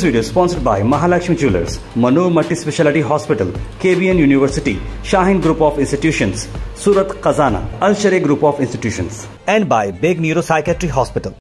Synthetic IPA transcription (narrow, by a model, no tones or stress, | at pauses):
sʋiːɖiospɔ̃ːnsəɾɖbaɪmɐɦaːlɐkʃmit͡ʃuːlə̰ɾs | mɐnuːʋmɐʈːispeʃɛlɪʈiɦɔːspɪʈə̰lkeːbiə̃njuːniʋəɾsɪʈḭʃaːɦĩnɡɾuːpɔːfɪ̃nsʈiʈjuːʃə̃nssuːɾət̪qɐzaːna̰ɐlʃɐɾeɡɾuːpɔːfɪ̃nsʈiʈjuːʃə̰̃ns | ɛ̃ɳɖbaɪbeːɡnjuːɾosajkaʈɾiɦɔːspɪʈəl